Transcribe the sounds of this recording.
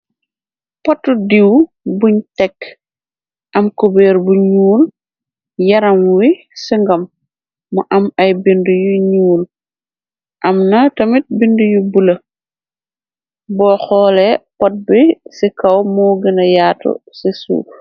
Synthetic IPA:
pɔtːudiw | buɲtɛk | ʔɐmkobɛːɾbuɲuːn | jɐɾɐmwi | siŋɡɐmː | ɐʔɐmɐjbindujuɲuːn | ʔɐmnɐtɐmit̚bindujubulɐ | bɔːxɔːlɛpɔt̚bisikɐwmɔːɡənɐjaːtṵsisṵː

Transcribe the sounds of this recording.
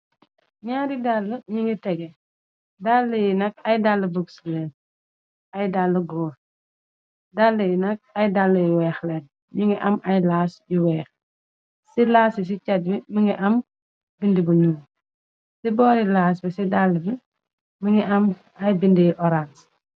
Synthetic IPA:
ɲaːdidalːɐɲiŋɡitɛɡɛ | dalːɐjinɐkɐjdalːɐbukslɛːn | ajdalːɐɡɔː | dalːɐjinɐk̚ɐjdalːɐjiwɛːxlɛːn | ɲiŋɡiʔɐmɐjlaːsjiwɛːx | silaːsis̬icat̚bimiŋɡiʔɐm | bindibuɲuːm | sibɔːɾilaːs̬bisidalːɐbi | miŋɡiʔɐm | ɐjbindijiʔɔɾans

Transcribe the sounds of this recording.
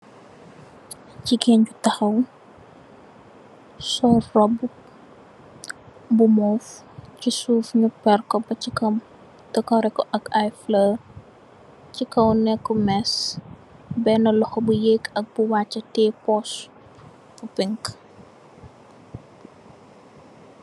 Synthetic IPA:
cikɛɲɟutɐxɐw | sɔrɔbu | bumɔf | cisuːfɲupɛrkɔbɐt͡ʃikɐm | tɐkɔɾɛkːɔʔɐkajflər | cikɐwnɛkːɔmɛs | bɛnɐlɔxɔbujekɐk̚buwaːt͡ʃːɐtɛpɔs | fupiŋk

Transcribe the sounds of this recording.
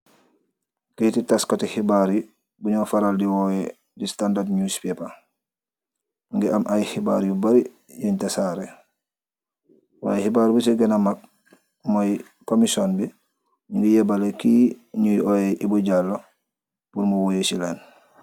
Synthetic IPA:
ketitaskatihibaɾu | buɲɔːfaɾaldiwɔjɛ | distandadɲuspɛpa | ŋɡɛʔamʔajhibaɾijubaɾi | jaɲtasaɾɛ | wa̰jhibaːɾibusiɡɛnamak̚ | moj | komisɔnbɛ | ɲuŋɡijɛbalekiɲujɔjɛʔibuɟalːo | puɾmuwojesilɛn

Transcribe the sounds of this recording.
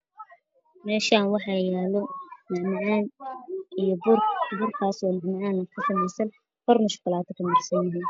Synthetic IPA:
mɛːʃaːnwɑħɑjaːlɔnɪʕmʕaːnʔijɔbʊrbʊrkʰaːsɔːnɪʕmɐʕaːnɐkʰʊsɐmɛjsɐn | hʰɔrnʊʃkʊlaːt̪ʰɐkʰɐmɪħsɐnjɪɦiːn

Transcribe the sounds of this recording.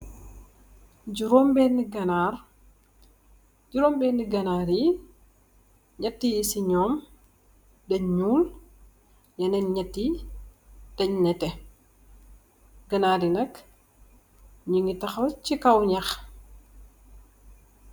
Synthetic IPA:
ɟuɾɔmbɛniɡɐnaːr | d͡ʒuɾɔːmbɛːniɡɐnaːɾi | ɲɐtːijisiɲɔːm | dɐɲɲuːl | jɐnɛnɲɐtːi | d̥ɐɲnɛtɛ | ɡɐnaːɾinɐk | ɲuŋɡitɐxot͡ʃikɐwɲɐx

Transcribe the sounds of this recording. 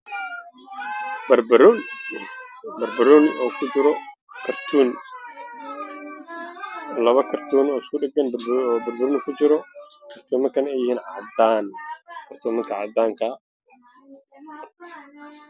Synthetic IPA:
b | bɐrbɐɾɔnɔːkʰʊd͡ʒɪɾɔ | kʰɐrt̪ʰuːn | lɐβɐkʰɐrt̪ʰuːnɔːɪskʰʊɗɪɡɐnɔːbɐɾbɐɾʊnɪkʰʊt͡ʃɪɾɔkʰɐrt̪ʰɔːmɐŋkʰɐnɛjɪhiːnʕad̪aːnkʰɐrt̪ʰɔːmɪŋkʰɐʕɑ̰ːd̪aːŋkʰɐ

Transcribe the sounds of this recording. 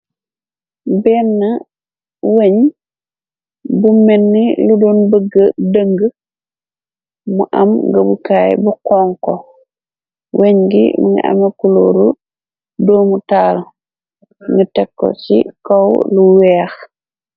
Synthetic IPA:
bɛnːa | weɲ | bumːenːiludɔnbəɡːədəŋɡə | muʔamɡəbukaːj̰bukɔŋkɔ | weɲɡḭmuŋḭʔa̰mekuloɾu | domutaːlɔ | ŋɡitɛkːɔ̰sḭkɔwluwɛax

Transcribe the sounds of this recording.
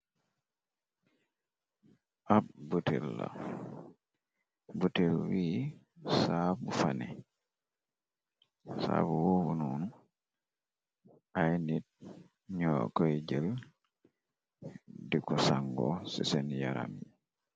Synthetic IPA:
ʔabbutilːa̰ | butilwiː | sabufanɛ | sa̰buwobununu | ʔajnit̚ | ɲɔkɔjd͡ʒəl | dikɔsaŋɡɔsisɛnjaɾa̰mi

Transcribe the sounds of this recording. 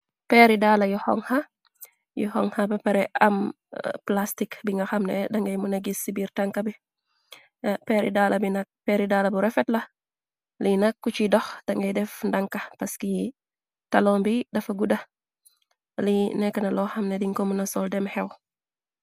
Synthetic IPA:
pɛɾidalɐjuhɔ̰ŋhɐ | juhɔ̰ŋhɐbɐpɛɾɛʔɐ̰m | plastikbiŋɡɐxɐmnɛdɐŋɡɐjmunɐɡisːibiɾtɐŋkɐbi | pɛɾḭdaːlɐbinɐk̚pɛɾidaːlɐbuɾɛfɛtlɐ | linɐkːut͡ʃidɔxd̥ɐŋɡɐjdɛfndɐŋkɐpɐski | tɐlɔmbidɐfɐɡudɐ | linɛkːɐnɐlɔxɐmnɛdiŋkomunɐsɔldɛmhɛw

